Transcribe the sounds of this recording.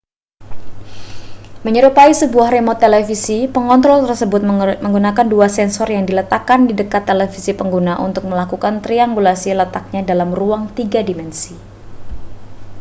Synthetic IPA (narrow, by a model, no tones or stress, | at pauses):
məɲəɾupaisəbuahɾemɔt̪ːelefisipəŋɔnt̪ɾɔlt̪ərsəbʊt̪̚məŋɡunakanduasɛnsɔrjaŋdilət̪akandidəkat̪ːelefisipəŋɡunaʔṵnt̪ʊk̚məlakukant̪ɾiaŋɡulasilət̪ak̚ɲadalamruaŋt̪iɡadimɛnsi